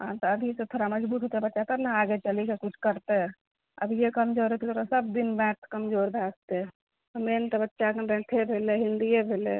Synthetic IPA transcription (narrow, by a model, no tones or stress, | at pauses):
ɦãt̪ɔəbʱiset̪ʰoɾaməd͡ʒbuːt̪ɦoːt̪eɛbətːʃakəɾnaaːɡet͡ʃəlikekʊt͡ʃʰkəɾt̪eɦɛ | ə̰bʱjekəmd͡ʒoːɾɦet̪it̪ʰoːɾasəb̚d̪inbɛ̃ːt̪ʰkəmd͡ʒoːɾbʱaːɡ̚t̪eɛ | omeːnt̪ɔbətːʃakəbɛ̃ːʈ̪ʰebʱeːleɦɪ̃nd̪ijebʱeːlḛ